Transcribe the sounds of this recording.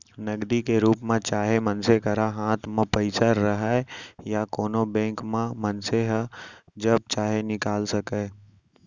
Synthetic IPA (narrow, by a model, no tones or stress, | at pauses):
nɐɡd̪ikeɾuːpmẽt͡ʃaːɦemənsekəɾaɦãːt̪ʰmãpəɪsəɾːəɦajakoːnobɛ̃ːŋkmãmənseɦd͡ʒəb̚t͡ʃaːɦenɪkaːlsəkeː